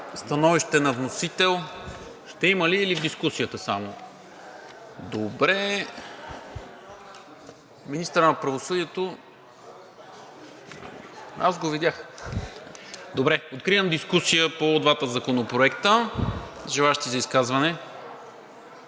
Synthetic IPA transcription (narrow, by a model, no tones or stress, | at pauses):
st̪ɐnɔviʃt̪ɛnɐvnosit̪ɛlˠʃt̪ɛiməliːlivd̪iskusijət̪əsamo | d̪obɾɛ | minist̪əɾənɐpɾɐvosɤd̪iɛt̪o | azɡovid̪ʲjax | d̪obɾɛot̪̚kɾiəmd̪iskusijəpod̪vat̪əzɐkonopɾoɛkt̪ə | ʒɛlˠaəʃt̪izɐiskazvɐnɛ